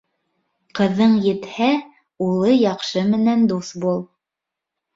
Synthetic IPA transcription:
qɤ̆ðːɤɴjɘ̆t̪hæ | ulˠɤjɑqʃɤmɘ̆nænd̪usbulˠ

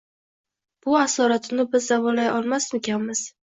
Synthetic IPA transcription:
b̥ʊasɒɾat̪ʰɪnɪbɪzːavɒlajʔɒlˠmasmekʲʰanmɪz̥

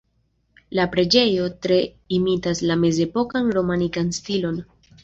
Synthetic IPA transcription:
lapɾe̞d͡ʒe̞jo̞tɾe̞ | imitaslame̞ze̞po̞kanɾo̞manikanstilo̞n

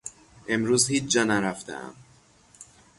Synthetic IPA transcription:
ʔe̞mɾuːzhiːt͡ʃʰd͡ʒɒːnæɾæft̪ʰḛʔæ̰m

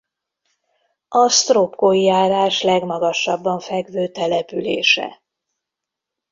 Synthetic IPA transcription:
ʔɒst̪ropkoːjijaːɾaːʃlɛɡmɒɡɒʃːɒbːɒɱfɛɡvøːt̪ɛlɛpylḛːʃɛ̰

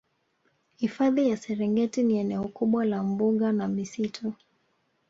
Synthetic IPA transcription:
hifaðijasɛɾɛŋɡɛtiniɛnɛɔkuɓwalambuɠanamisitʰɔ

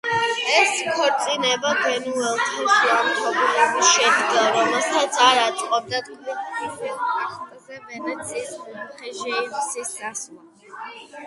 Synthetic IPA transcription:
ɛskʰɔɾt̪sʼinɛbaɡwɛnuɛlˠt̪ʰaʃiamt̪ʰɔbilɛbisʃɛd̪ɡaɾɔmɛlˠsat̪sʰaɾat̪sʼqʼɔb̚d̪at̪kʼiikʼulaχt̪ʼzɛvɛnat̪sʰiːsuχɛʒisisasma

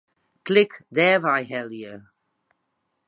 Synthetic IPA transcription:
kʰlɪkd̪ɛvajɦɛljə

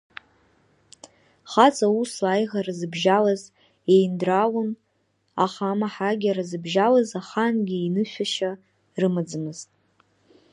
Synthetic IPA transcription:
χat͡sʰʼausajʁarɨzɨbʒalaz | ejndrawʊn | a̰χamaħaɡʲaɾazɨbʒalazaχanɡʲiinɨʃʷᶣaʃa | rɨmad͡zɨmɨztʼ

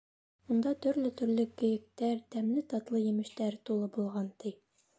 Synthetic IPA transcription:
und̪ɑt̪ɵ̆ɾlɘt̪ɵ̆ɾlɘkɵ̆jɘ̆k̚t̪æɾt̪æmlɘt̪ɒt̪lˠɤjɘ̆mɘ̆ʃt̪æɾt̪ulˠɤbulˠʁɑnt̪i

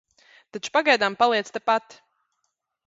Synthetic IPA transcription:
t̪at͡ʃu̥paɡajd̪ampalˠiɛt̪st̪apat̪

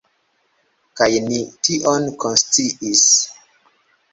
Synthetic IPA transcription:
kajnitiʔɔnkʰɔnstiʔis

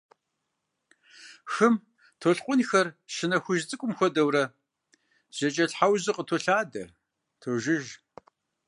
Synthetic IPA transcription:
xɨm | tʰoɬqʷʼʊnxɐrʃɪnɐxʷʊʒt͡sʼɨkʷʼʊmxʷɔdɐwrɐ | z̥ɐt͡ʃʼɐɬħawʑɨqʼətʰoɬaːdɐ | tʰoʒɪʒ

